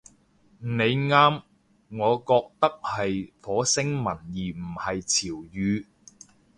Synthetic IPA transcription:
ne˨˧jŋaː˥m | ŋɔː˨˧kɔː˧k̚t̪ɐ˥k̚hɐ˨jfɔː˨˥sɪ˥ŋmɐ˨˩njiː˨˩m̩˨˩hɐ˨jt͡sʰiː˨˩wjyː˨˧

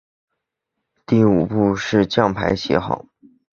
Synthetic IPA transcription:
t̪i˥˩u˨˩pu˥˧ʂɻ̩˥˧t͡ɕjɑ˥˩ŋpʰa̰˧˥ɪɕjɛ̰˧˥xɑ̰˨˩˦

